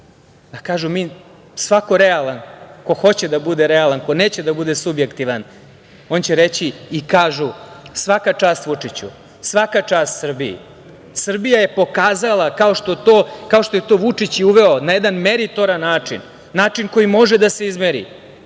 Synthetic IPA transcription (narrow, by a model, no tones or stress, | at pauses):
d̪akaːʒumiː | sʋako̞ɾealˠanko̞xo̞t͡ɕed̪abud̪eɾealˠanko̞ne̞ːt͡ɕed̪abud̪esubjekt̪iʋan | o̞ːnt͡ɕeɾet͡ɕiːkaːʒusʋakat͡ʂaːst̪ʋut͡ʂit͡ɕṵ | sʋakat͡ʂaːst̪sr̩bijḭ | sr̩bijaje̞po̞kaːzalˠakao̞ʃt̪ot̪oːkaoʃt̪o̞je̞t̪o̞ːʋut͡ʂit͡ɕiuʋe̞onajed̪anmeɾit̪o̞ɾanːaːt͡ʂḭnː | aːt͡ʂinko̞jimo̞ʒed̪ase̞izmeɾḭ